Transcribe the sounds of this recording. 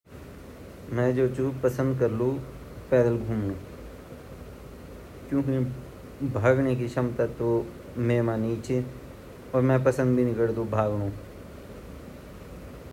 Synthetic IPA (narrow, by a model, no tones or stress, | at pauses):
mɛ̃d͡ʒoːt͡ʃuːpəsə̃nd̪̚kɐɾlu | pɛːd̪əlɡʱuːmnũː | kjõːki | bʱaːɡnekiʃɐmt̪at̪o | meːmaniːt͡ʃʰi | ɔːɾmɛ̃pəsə̃nd̪bʱinɪkəɽd̪obʱaːɡɽõː